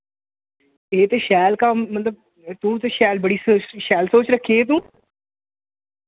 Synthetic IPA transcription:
eːt̪eːʃɛːlkaːmət̪ləb̚ | t̪ũːt̪eʃɛːlbəɽiːsoːʃɛːlsoːt͡ʃɾəkʰːeːt̪̬ũː

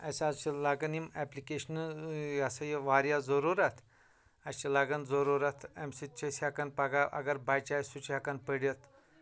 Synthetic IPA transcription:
asad͡zt͡ʃilaɡənimɛplikeɕnasajeʋaɾjad͡zəɾuɾat̪ʰ | at͡ʃilaɡənd͡zəɾuɾat̪ʰemsit͡ʃʰesakanpaɡaʔɐ̰ɡəɾbajt͡ɕajsut͡ɕʰakanpəɽjət̪

